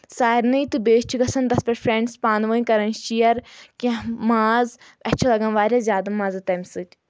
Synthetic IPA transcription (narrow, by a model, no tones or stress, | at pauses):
saːiɾnɐit̪ɨbeːʃt͡ʃʰuɡɐsɐnd̪ɐspʲɐɾfʰɾeɳɖspaːnʋɐːnʲkɐɾɐnʃijɐɾkʲɐ̃ɦmaːz | ɐt͡ʃʰɐlɐɡãnʋaːɾʲazʲjaːd̪ɐmãːzɐt̪ɐmʲsɨtʲ